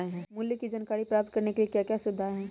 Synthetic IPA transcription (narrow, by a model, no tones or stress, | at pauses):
eɦɛ̃ːmʊljəkid͡ʒɐnkaːɾipɾaːp̚t̪̚kɐɾnekeliekjakjasʊd̪ʱaɦɛ̃ː